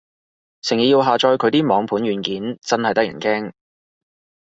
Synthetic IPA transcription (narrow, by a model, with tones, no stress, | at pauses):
sʰɪ˨˩ŋji˨˩jiː˧wɦaː˨t͡ʃɔː˧jkʰɵ˨˧ɥt̪iː˥mɔː˨˧ŋpʰuː˨˥nɥyː˨˧nkiː˨˥nt͡sɐ˥nhɐ˨jt̪ɐ˥jɐ̰˨˩nkɛː˥ŋ